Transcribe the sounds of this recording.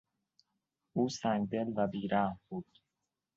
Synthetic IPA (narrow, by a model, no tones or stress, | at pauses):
uːsæŋɡd̪elvæbiːɾaːbuːd̪̥